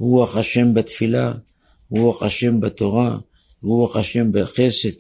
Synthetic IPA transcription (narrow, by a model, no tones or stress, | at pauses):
huaχaʃembat̪fila | huaqaʃe̞mbat̪o̞ʁa | uaχaʃembaxeset̪